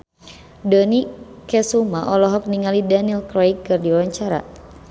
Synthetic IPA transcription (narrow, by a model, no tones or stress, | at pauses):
dɔnikɛsumaʔɔlɔɦɔk̚niŋalidanilkɾajkːɨrdiwaɲt͡ʃaɾa̰